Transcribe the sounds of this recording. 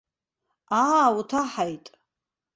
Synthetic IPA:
aːutʰaħajtʼ

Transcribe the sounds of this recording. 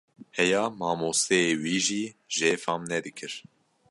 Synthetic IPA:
hɛjɑːmɑːmoːst̪eeːwiːʒiːʒeːfɑmnɛd̪ɨkʰɨɾ

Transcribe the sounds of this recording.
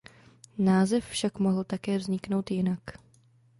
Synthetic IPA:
naːzɛffʃakmoɦl̩t̪akɛːvzɲɪkno̞wt̪jɪnak

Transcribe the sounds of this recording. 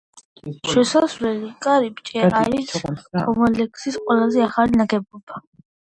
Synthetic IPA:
ʃwɛsazvlɛlikʼaɾibʼt͡ʃʼɛaɾiskʰʼɔmɔlɛksisqʼwɛlazɛaχalinaɡɛbɔb̥a

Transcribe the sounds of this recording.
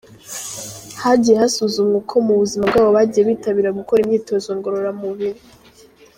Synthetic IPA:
haɟije̞hasuzumɲekʰo̞muβuzimabɡaːβo̞βaːɟije̞βiːtaβiɾaɡuko̞ɾimɲiːto̞zoŋɡo̞ɾo̞ɾamuβiɾi

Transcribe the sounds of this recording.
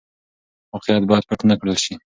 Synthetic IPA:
mɑqejat̪̚bɑjd̪̚paʈanakɽəlʃi

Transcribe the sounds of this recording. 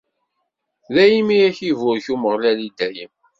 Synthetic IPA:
ðæjimijæçivʊɾçuməʁlælid̪æjəm

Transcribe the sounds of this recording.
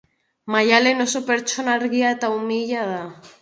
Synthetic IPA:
majalenosopeɾt͡ʃonaɾɣiat̪aumiʎaða

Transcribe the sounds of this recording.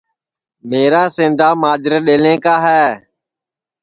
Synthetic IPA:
meːɾaːsẽːnd̪ʱaːmaːd͡ʒɾɗeːlẽːkaːɦɛː

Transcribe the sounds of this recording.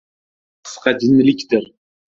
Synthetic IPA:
qʰɨ̥sqɑd̪ɪnlɪkʲd̪ɪɾ

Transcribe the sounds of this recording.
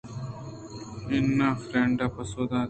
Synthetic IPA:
enːaːfɾẽɳɖapɐsoːd̪ãː

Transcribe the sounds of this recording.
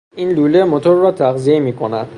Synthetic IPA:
inluːlemot̪ʰoɾːɒːt̪ʰæɣziemiːkʰonæd̪̥

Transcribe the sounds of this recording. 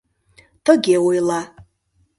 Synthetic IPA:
tʰɨɡʲewejla

